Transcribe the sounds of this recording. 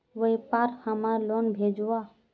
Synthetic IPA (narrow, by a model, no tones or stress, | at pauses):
ʋəipaɾkhəmalonbʱed͡ʒua